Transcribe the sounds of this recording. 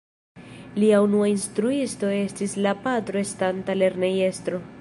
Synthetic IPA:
liaunuainstɾuisto̞e̞stislapatɾo̞estantale̞ɾne̞je̞stɾo̞

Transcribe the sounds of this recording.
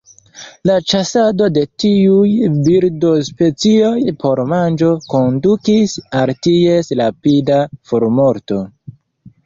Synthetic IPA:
lat͡ʃasado̞de̞tiujbiɾdospe̞t͡sio̞jpʰo̞ɾmand͡ʒo̞ko̞ndukisaltiesɾapidafoɾmo̞ɾto̞

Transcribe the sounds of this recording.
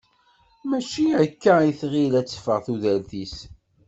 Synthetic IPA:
mæʃiækːæiθʁilæt͡sːə̥fəʁθuðælθis

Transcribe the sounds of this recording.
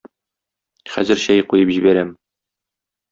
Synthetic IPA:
χæ̰zɘ̆ɾɕæjqujɤpʑibæɾæm

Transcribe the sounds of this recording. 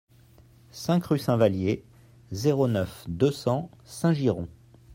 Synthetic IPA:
sɛ̃kχysɛ̃valje | zeʁonœfd̪øsɑ̃sɛ̃ʒiʁɔ̃

